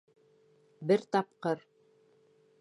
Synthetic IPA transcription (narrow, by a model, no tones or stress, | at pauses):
bɘɾt̪ɑp̚qɤɾ